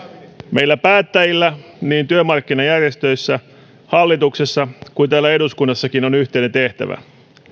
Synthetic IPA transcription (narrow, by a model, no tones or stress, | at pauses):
me̞jlːæpæːt̪ːæjilːæ | niːnt̪yømɑrkːinɑjærjest̪ø̞jsːæ | hɑlːit̪uksesːɑkuint̪æːlːæe̞duskunːɑsːɑkino̞nyht̪eine̞nt̪e̞ht̪æ̰ʋæ̰